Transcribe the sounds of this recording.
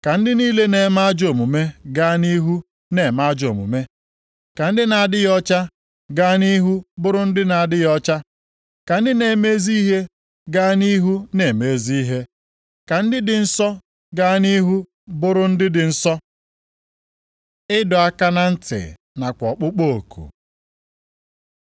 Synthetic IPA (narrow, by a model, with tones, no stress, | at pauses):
ka˨n̩˦dɪ˦niː˦le˦ne˨ma˦d͡ʒo˨mu˨me˦ɡa˦ni˦ɦu˦ | ne˨ma˦d͡ʒo˨mṵ˨me˦ | ka˨n̩˦dɪ˦na˨a˨dɪ˦jɔ˦t͡ʃa˦ | ɡa˦ni˦ɦu˦bʊ˦ɾʊ˦n̩˦dɪ˦na˨a˨dɪ˦jɔ˦t͡ʃa˦ | ka˨n̩˦dɪ˦ne˨me˦zi˦ɦe˦ | ɡaː˦ni˦ɦu˦ne˨me˨˦˨zi˦ɦe˦ | ka˨n̩˦dɪ˦dɪ˨n̩˦sɔ˦ | ɡa˦ni˦ɦu˦ | bʊ˦ɾʊ˦n̩˦dɪ˦dɪ˨n̩˦sɔ˦ | ɪ˦dɔ˨a˦ka˦na˦n̩˦tɪ̰˨ | na˨kʷɔ˨k͡pʊ˦k͡po˦˨o˨kʰṵ˨